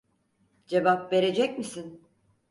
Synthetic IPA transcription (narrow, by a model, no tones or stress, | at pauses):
d͡ʒe̞vapve̞ɾe̞d͡ʒɛcmisin